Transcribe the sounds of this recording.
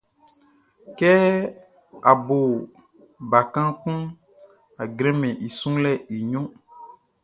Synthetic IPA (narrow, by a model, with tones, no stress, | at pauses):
kɛ˦ | a˨bo˨ | ba˨kã˦kũ˦ | a˨ɡɾẽ˦mɛ̃˨ʔi˨sũ˦lɛ˦i˨ɲɔ̃˦